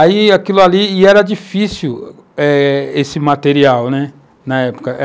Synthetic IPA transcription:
aiakilʊaliːɛɾɐd͡ʒifisiw | ɛesɪmat̪eɾiawnɛ | nɐɛpo̥kɐʔ

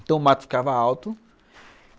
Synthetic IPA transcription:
nt̪ɐ̃w̃mat̪ʊ̥fi̥kavɐawt̪ʊ

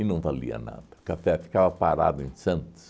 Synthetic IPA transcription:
ɪnɐ̃w̃valḭɐ̰na̰d̪̥ɐkafɛfi̥kavɐpaɾa̰d̪ʊẽj̃sɐ̃nt̪ʊ̥s

